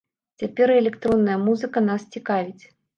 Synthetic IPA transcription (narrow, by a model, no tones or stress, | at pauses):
t͡sʲapʲɛɾɛlʲɛkt̪ɾɔnːɐjɐmuzɨkɐnast͡sʲikavʲit͡sʲ